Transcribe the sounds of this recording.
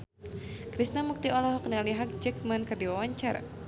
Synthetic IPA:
kɾisnamuk̚t̪iɔlɔɦɔk̚nialiɦak̚d͡ʒɛkmənkɨrdiwawaɲt͡ʃaɾa̰

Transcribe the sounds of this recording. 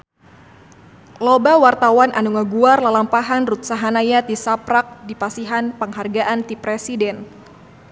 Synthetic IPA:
lobawart̪awanʔanuŋaɡuarlalampaɦanrut̪̚saɦanajat̪isapɾak̚dipasiɦanpəŋɦarɡaʔant̪ipɾesidɛn

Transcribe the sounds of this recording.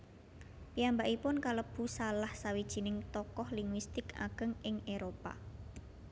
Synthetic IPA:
piambaʔipʊnkaləb̥ṳsalahsawid̥ʒ̥i̤nɪŋt̪ɔkɔhliŋwist̪ɪka̰ɡ̥ə̤ŋɪŋeɾopa̰

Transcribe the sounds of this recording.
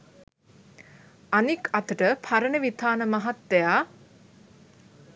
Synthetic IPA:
anikat̪əʈəpʰaɾənəʋit̪ʰaːnəmaɦat̪d̪ɛjaː

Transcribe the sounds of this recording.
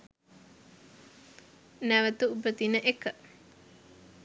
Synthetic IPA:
næʋət̪uubət̪inəʔekə

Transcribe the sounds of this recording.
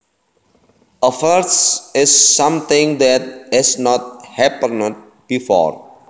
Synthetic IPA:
əfəɾsɪsːʌ̃mt̪ʰɪ̃ŋd̪ɛʈ̚hɛsnɔʈ̚hɛpə̃nɖ̚ | b̥ifɔ̰ːɾ

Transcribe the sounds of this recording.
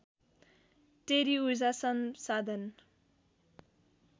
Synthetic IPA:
ʈeɾiuzasʌnsad̪ʱʌn

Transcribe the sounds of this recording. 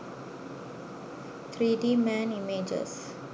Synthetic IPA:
t̪ʰɾidimɛ̃nimed͡ʒə̰s

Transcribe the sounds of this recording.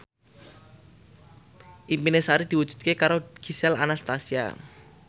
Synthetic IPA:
ʔimpinesaɾid̪̥i̤wu̥ʒ̥ṳ̥d̪̚kekaɾoɡ̥isɛla̰nast̪asia̰

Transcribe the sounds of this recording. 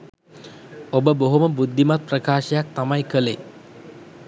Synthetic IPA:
obəboɦuməbud̪ʱːimat̪̚pɾəkaːʃəjak̚t̪amajkəle

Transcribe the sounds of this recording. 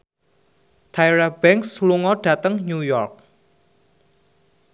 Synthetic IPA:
t̪ʰajɾab̥ɛŋksluŋɔɖ̥ä̤t̪əŋɲujɔrk̚

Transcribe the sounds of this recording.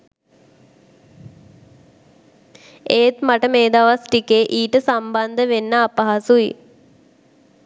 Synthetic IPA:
eːt̪maʈəmeːd̪aʋasʈikeʔiːʈəsamband̪əʋenːəːpaɦasuḭ

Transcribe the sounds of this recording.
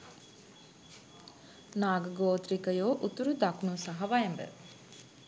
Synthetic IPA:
naːɡəɡoːt̪ɾikəjoːʔut̪uɾud̪akunusɐɦɐʋajɛmbə̰

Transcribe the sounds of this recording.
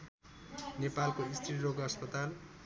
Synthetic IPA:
nepalkoist̪riroɡʌspʌt̪al

